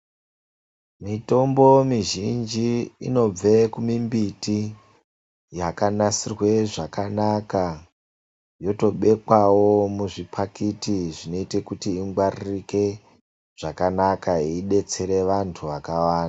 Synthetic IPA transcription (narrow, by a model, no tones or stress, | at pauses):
mito̞mbo̞miʒind͡ʒiino̞b͡vekumimbiti | jakanasirwe̞ʐakanaka | jo̞to̞ɓe̞kwawo̞muʐipʰakitiʐino̞ite̞kutiːŋɡwaririke̞ | ʐ̥akanakaiɗe̞t͡se̞ɾe̞ʋantʰuʋakawaːnda